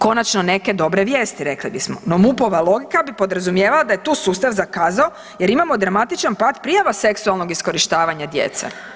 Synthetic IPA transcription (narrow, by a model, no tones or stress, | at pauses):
ko̞nat͡ʃno̞ne̞ke̞d̪o̞bɾeʋjeːst̪iɾe̞klibismo̰no̞mupo̞ʋalˠo̞ɡikabipo̞d̪ɾazumjeːʋalad̪ajet̪uːsuːst̪aʋzakaːzao | je̞ɾimamod̪ɾamat̪it͡ʃanpaːd̪pɾijaʋase̞ksualˠno̞ɡisko̞ɾiʃt̪aːʋaɲad̪je̞̰t̪sḛ